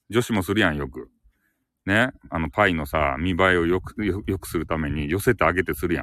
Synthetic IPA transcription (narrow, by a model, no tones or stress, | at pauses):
d͡ʑo̞ɕimo̞sɨɾɯ̟jãɰ̃jo̞kɯ̟ | ne̞ano̞paino̞sa̰mʲibaio̞jokjo̞kɯ̟̥sɨɾɯ̟t̪ame̞ɲ̟ijo̞se̞t̪eaɡe̞t̪e̞sɨɾɯ̟jã̰